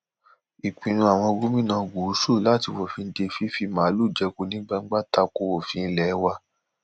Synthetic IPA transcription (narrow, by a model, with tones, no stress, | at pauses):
i˨k͡pĩ˨nũ˧a˨w̃ɔ̃˧ɡu˦mĩ˦nã˧ɡu˨˦ʃu˦˨la˦ti˧wo˨fĩ˧˦de˧fi˦fi˧˦mã˨˦lu˦˨d͡ʒɛ˧ku˨˦nĩ˦ɡ͡ba˦˧ŋ̩˦ɡ͡ba˦˨ta˧ko˧wo˨fĩ˧lɛ˨˦wa˧